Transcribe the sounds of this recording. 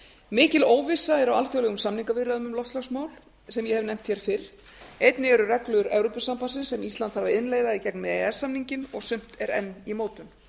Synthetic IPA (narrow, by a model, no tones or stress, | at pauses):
mɪːcɪloːwvɪsaɛɾawalθjowlɛɣʏmsamniŋkavɪrːaðʏmʏmlɔft̪slɔksmaːwl | sɛmjɛhɛvnɛjm̥t̪çɛɾ̥fɪɾ̥ | ejt̪nɪɛɾʏrɛklʏɣʏɾɛ̰wɾopʏsampasɪnsɛmist̪ant̪haɾvaɪnleːjðaðicɛknmɛðeɛsːamniɲcɪnɔɣsʏm̥t̪ɛɾɛ̰nːimoːwt̪ʏm